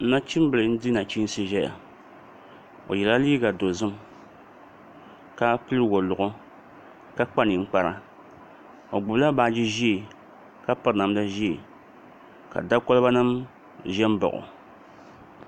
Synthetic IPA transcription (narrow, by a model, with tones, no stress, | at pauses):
n̩˦na˦t͡ʃi˦m˦bɨ˨lɨ˨n̩˦dɨ˦na˨t͡ʃi˦n˦sɨ˦ʒɛ˦ja̰˨ | o̰˨jɛ˨la˦liː˦ɡa˨do˨zɨ˦m | ka˦pɨ˦lɨ˦wo˨lʊ˨ʔʊ˦ | ka˦k͡pa˦nɪ˨ŋ͡m̩˦k͡pa˦ɾa˦ | o˨ɡ͡bʊ˨bla˦ba˨d͡ʒi˦ʒi˦˨ | ka˦pɨ˦ɾna˨m˦da˦ʒi˦i˨ | ka̰˨da˦ko˦lɨ˦ba˦nɨ˦m | ʒɛ˦m˦ba̰˨ʔʊ̰˨